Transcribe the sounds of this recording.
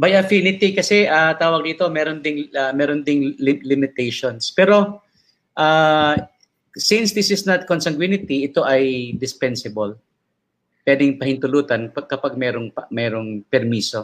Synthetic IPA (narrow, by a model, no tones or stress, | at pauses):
bajɐfinɪt̪ikɐsɛʔat̪aːwɐɡ̚d̪iːt̪omɛːɾond̪ɪŋɐmɛːɾond̪ɪŋlɪlɪmɪt̪ɛjʃonspɛːɾo̞ | ʔa | sɪnsd̪ɪsɪsnɐt̪̚konsɐŋɡwinɪt̪iɪt̪o̞ʔɐjd̪ɪspɛnsɪbɐl | pwɛːd̪ɪŋpɐhɪnt̪ʊluːt̪ɐnpɐkɐpaɡ̚mɛːɾoŋpɐmɛːɾoŋpɛɾmiːso